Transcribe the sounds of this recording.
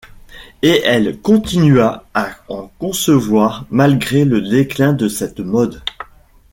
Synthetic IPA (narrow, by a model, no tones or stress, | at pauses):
eʔɛlkɔ̃t̪inɥaaɑ̃kɔ̃səvwaːʁmalɡʁeləd̪eklɛ̃d̪əsɛt̪mɔd̪